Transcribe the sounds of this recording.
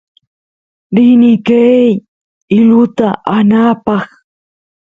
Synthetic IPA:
ɾɪnɪkaj | ɪlʊt̪aʔanaːpɑχ

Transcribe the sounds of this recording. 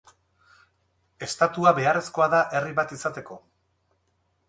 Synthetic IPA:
e̞st̪at̪uaβe̞are̞sko̞aðaʔe̞riβat̪isat̪e̞ko̞

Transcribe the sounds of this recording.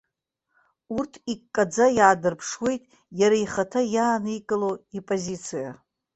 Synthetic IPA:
urtʰikkːʼad͡zajaːdɨrpʰʂwe̞jtʼ | jaɾaiχatʰajaːnikʼɨlowipʼozit͡sʰija̰

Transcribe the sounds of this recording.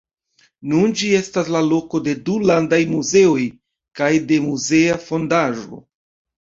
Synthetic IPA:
nund͡ʒie̞staslalo̞ko̞de̞dulandajmuze̞o̞j | kajde̞muze̞afo̞ndaʒo̞̰

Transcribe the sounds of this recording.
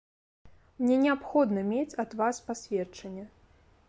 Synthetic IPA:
mnʲɛnʲɛapxɔd̪nɐmʲet͡sʲɐd̪vaspasʲvʲɛt͡ʂɐnʲːɛ

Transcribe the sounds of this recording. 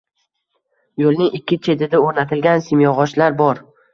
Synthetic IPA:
jolˠnɪŋɪkʲʰːɪt͡ʃʰe̞t̪ɪd̪aoɾnat̪ʰɪlɡʲansɪmjɒʁɒʃlaɾbɒɾ

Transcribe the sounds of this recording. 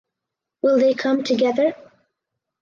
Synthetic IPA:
wɪlˠðeɪkʰʌ̃mtʰɨɡɛðə˞

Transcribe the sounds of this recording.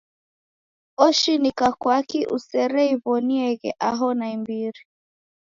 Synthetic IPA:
ɔʃinikakwakiʔṵsɛɾɛiβɔniɛɣɛʔaɦɔnaimbiɾi

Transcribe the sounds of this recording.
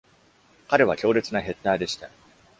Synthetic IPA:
kaɾe̞β̞akʲo̞ːɾe̞t͡sɨnaɦe̞t̪ːaːd̪e̞ɕi̥t̪a

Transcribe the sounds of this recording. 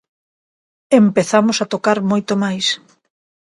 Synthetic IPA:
empeθamosat̪okaɾmojt̪omajs

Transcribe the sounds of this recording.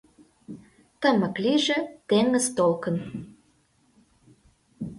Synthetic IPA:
t̪əmə̆kliʒĕt̪eŋəzt̪olkə̆n

